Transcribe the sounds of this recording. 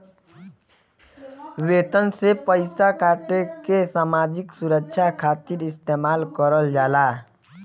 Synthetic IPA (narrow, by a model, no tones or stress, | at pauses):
weːt̪ənsepəɪsakaːʈekesaːmaːd͡ʒɪksʊɾəkʃʰakʰaːt̪ɪɾɪst̪eːmaːlkəɾəld͡ʒaːlaː